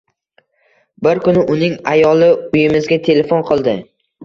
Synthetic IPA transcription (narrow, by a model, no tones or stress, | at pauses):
bɪɾkʊnɪʔʊnɪŋajɒlˠɪʊjɪmɪzɡʲat̪ʰe̞le̞fonqʰɨlˠd̪ɪ